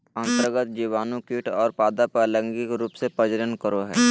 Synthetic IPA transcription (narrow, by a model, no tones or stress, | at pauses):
ə̃nt̪əɾɡət̪d͡ʒiːʋaːnõkiʈʰɔːɾpaːd̪apaːlə̃ŋɡɪkɾuːpsepəd͡ʒəɾənkəɾoɦɛː